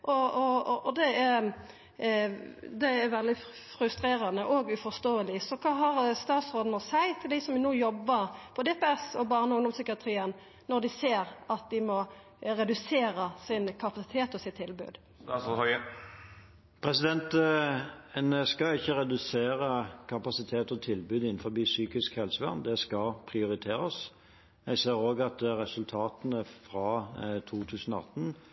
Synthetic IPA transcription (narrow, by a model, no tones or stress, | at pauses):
ʔɔɔd̪ɛæ | d̪ɛæɾʋɛld̪ɪ | fɾʉst̪ɾeːɾənəʔɔɡʉfɔʁst̪oːəlɪsɔkʰɑːɦɑɾst̪ɑːt̪sʁoːd̪nəsæɪt̪ʰɪld̪ɪsɔmnuːjɔbːəɾpʰɔd̪ɛːpɛɛsɔbɑːʁnəʊŋd̪ɔmsʏkɪɑt̪ʰɾiːən | nɔɾd̪ɪseːɾɑt̪̚d̪ɪmɔ | ɾɛd̪ʉseːɾəsɪnkʰɑpɑsɪ̥t̪ʰeːt̪ɔsɪt̪ʰːɪlbʉ̰ːd̪ | pʰʁɛsɪd̪ɛnt̪ | ɛnəskɑɪçːəʁɛd̪ʉseːɾəkʰɑpɑsɪt̪ʰeːt̪ɔt̪ʰɪlbʉːd̪ɪn̩fɔʁbiːsyːkɪskhɛlsəʋæ̰ʁnd̪ɛskɑpʰʁɪʊʁɪt̪ʰeːɾəs | jɛseːɾoːɡɑt̪̚d̪ɾɛsʉlt̪ʰɑːt̪ənəfɾɑːt̪ʰuːt̪ʰʉːsnɔɑ̰t̪ːn̩